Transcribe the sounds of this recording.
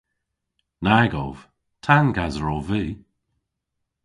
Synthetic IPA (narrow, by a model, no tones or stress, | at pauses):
naɡɔ̰v̥ | tʰanɡazəɹɔviː